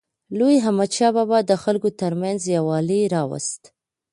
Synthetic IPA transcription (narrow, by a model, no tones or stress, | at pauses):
lojɦamat͡ʃɑbabad̪əxalkot̪əɾmanzjawɑliɾɑwa̰st̪